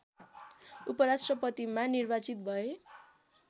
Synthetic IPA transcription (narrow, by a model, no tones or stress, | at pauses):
upʌɾasʈrʌpʌt̪imanirbat͡sit̪̚bʱʌe